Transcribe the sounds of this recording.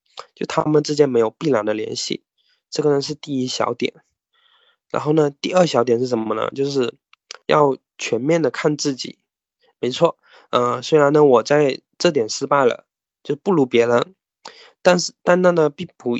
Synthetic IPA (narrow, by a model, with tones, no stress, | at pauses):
t͡ɕjo˥˩ʊt̪ʰa̰˥mə˨nʈ͡ʂ̩˥˧t͡ɕjɛ˥˩nme˧˥ɪjo˨˩ʊpi˥˩la˨˩nd̪ə˦ljɛ̰˧˥nɕḭ˥˩ | ʈ͡ʂɤ˥˩ɡə˩nə˩ʂ̬ɻ̩˥˧t̪i˥˩i˥ɕjɑ̰˧˥ʊt̪jɛ̰˨˩˦n | ɻa˧˥nxo˥˩ʊnə˩t̪i˥˧ə˞˥˩ɕjɑ˧˥ʊt̪jɛ˨˩nʂɻ̩˥˩ʂ̬ə˧˥nmə˧nə̰˧˩t͡ɕjo˥˧ʊʂɻ̩˥˧ | jɑ̰˥˩ʊ | t͡ɕʰɥɛ˧˥nmjɛ˥˩nd̪ə˩kʰa˥˧nt͡sɹ̩˥˩t͡ɕḭ˨˩˦ | me˧˥ɪt͡sʰwɔ˥˩ | ə˧˩swe˥ɪɻa˧˥nə˧wɔ˨˩t͡sa˥˧ɪ | ʈ͡ʂɤ˥˩t̪jɛ˨˩nʂɻ̩˥pa˥˩ɪlə̰˩ | t͡ɕjo˥˧ʊpu˥˩lu˧˥pjɛ˧˥lə˧˥ | t̪a˥˧nʂ̩˥˩˧t̪a˥˧nt̪a˥˩nd̪ə˨pi˥˩pu˧˥